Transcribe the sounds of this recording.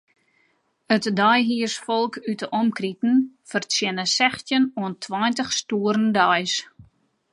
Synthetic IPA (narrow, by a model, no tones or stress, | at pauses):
ətdɔjɦiərsfɔlˠkytəʔɔmkritn̩fərsjɪnəsɛxtjənuəntʰwɔjntəxstuəɾəndɔjs